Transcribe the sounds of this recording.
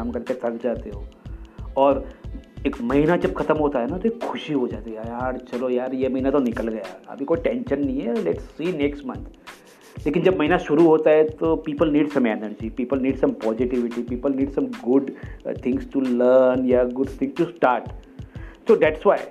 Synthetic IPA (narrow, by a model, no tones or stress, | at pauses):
aːmkɐɾt̪et̪ʰɐkd͡ʒaːt̪eɦoːɔːɾeːkmɐɦinad͡ʒɐbxʰɐt̪əmɦoːt̪aɦɛnat̪oeːkxʰʊʃiɦod͡ʒaːt̪ijaːɾt͡ʃɐlojaːɾjemɐɦinat̪onɪkəlɡɐjaɐ̰bʱikoiʈɛ̃ːnʃə̃nːɐɦĩɦɛlɛʈsːiːneːksʈmɐ̰̃nt̪ʰ | leːkɪnd͡ʒɐbmɐɦinaʃʊɾuɦoːt̪aɦɛt̪opiːpəlniːɖsɐ̃meːnəɾd͡ʒipiːpəlniːɖsɐ̃mpɔːzɪʈɪʋɪʈipiːpəlniːɖsɐ̃mɡʊɖt̪ʰɪ̃ŋsʈuləɾnjaɡʊɖt̪ʰɪ̃ŋɡʈusʈaːɾʈ | soːd̪æʈsʋaːɪ